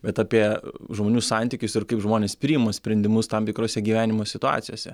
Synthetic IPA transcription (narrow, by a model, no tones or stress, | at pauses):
bʲɛt̪ɑːpʲiɛʒmoːnʲuːsɑnʲt̪ʲikʲʊsɪrkɐɪpʒmoːnʲeːspʲɾʲiːjɪmɐsʲpʲɾʲɛnʲd̪ʲɪmʊst̪ɐmt̪ʲɪkɾoːsʲɛɡʲiːʋʲæːnʲɪmoːsʲɪt̪ʊɑ̰ːt̪sʲɪjoːsʲɛ